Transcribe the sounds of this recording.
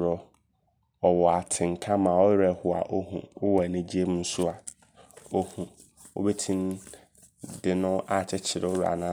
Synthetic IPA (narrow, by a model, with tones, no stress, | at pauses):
ɾɔ˦ | ɔ˨wɔ˨a˨tʰɪ̃˨ŋ̩˨kʰã˦mã˨ɔ˦ɪ˦ɾɛ˨hʊ˨a̰˨ʔo˦hṵ̃˨ʊ˦wɔ˨ɛ˨nɪ̃˨d͡ʑi˦e˦mũ˦sʊ˦a˨ | o˦hũ˨ | wo̰˦bɛ˦tʰĩ˦n˦ | dɪ˨nʊ̃˦a˨t͡ɕʰɛ˦t͡ɕʰɪ˨ɾɛ˨˦ʊ˦ɾa̰˨nã˦